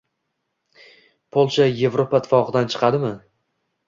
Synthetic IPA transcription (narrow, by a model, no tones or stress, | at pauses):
pʰolˠʃaje̞vɾopat̪ʰɪ̥fɒqɨd̪ant͡ʃʰɨ̥qʰɑd̪ɪmɪ